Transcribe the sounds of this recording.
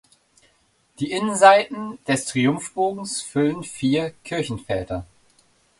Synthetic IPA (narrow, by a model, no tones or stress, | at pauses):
d̥iːʔɪnənzaɪtn̩d̥ɛstʁ̥iʊmfb̥oːɡŋ̩sfʏlənfiːɐkʰɪɐçn̩fɛːtɐ